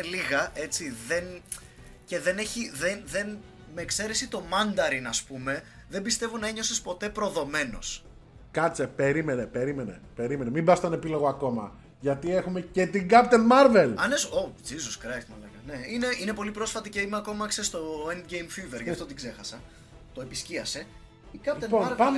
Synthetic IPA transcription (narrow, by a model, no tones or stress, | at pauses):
liɣɐe̞t͡siðe̞n | ce̞ðe̞ne̞çiðenðe̞n | meːkse̞ɾe̞sit̪o̞mɐnd̪ɐɾinɐspume̞ | ðe̞mbist̪e̞vonɐeɲo̞sespo̞t̪e̞pɾo̞ðo̞me̞no̞̰s | kɐt͡sepe̞ɾimenepe̞ɾime̞nḛpe̞ɾime̞nemimbɐst̪ɐne̞pilo̞ɣoɐko̞mɐ̰ | ʝɐt̪iexumece̞t̪iɡɐp̚t̪enmɐɾvelɐnesod͡zizoskɾɐjt̪mɐlɐɣɐne̞ine̞ine̞po̞lipɾo̞sfɐt̪iceimeɐko̞mɐksest̪o̞end̪ɡejmfive̞ɾʝɐft̪ot̪iɡze̞xɐsɐ | t̪o̞episciɐse̞ | ikɐpt̪eonɐ